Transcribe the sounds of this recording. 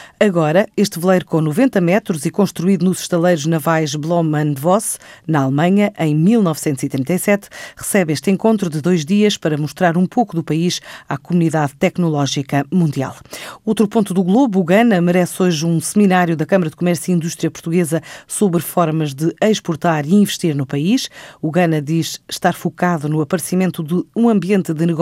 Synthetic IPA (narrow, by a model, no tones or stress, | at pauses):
ɐɣɔɾɐeʃt̪vɨlˠɐjɾukõnuvẽnt̪ɐmɛt̪ɾuzikõʃt̪ɾuiðunuz̥ʃt̪ɐlˠɐjɾuʒnɐvajʒblˠɔmɐ̃nvɔsnɐalˠmɐ̃ɲɐʔɐ̃j̃milˠnɔvsẽnt̪zit̪ɾĩnt̪ɐjsɛt̪ʁɨsɛβeʃt̪ẽŋkõnt̪ɾuðɨðojʒðiɐʃpɐɾɐmuʃt̪ɾaɾũpokuðupɐiʃakumuniðaðt̪ɛknulˠɔʒikɐmũnd̪ia̰lˠot̪ɾupõnt̪uðuɣlˠoβuːɣɐnɐmɨɾɛsoʒũsɨminaɾjuðɐkɐmɐɾɐðɨkumɛɾsjuĩnd̪uʃt̪ɾiɐpuɾt̪uɣezɐsoβɾfɔɾmɐʒðɨɐʃpuɾt̪aɾiĩvɨʃt̪iɾnupɐiʃuɣɐnɐðiʃʃt̪aɾfukaðunuɐpɐɾsimẽnt̪uðɨũɐ̃mbiẽnt̪ðɨnɨɣ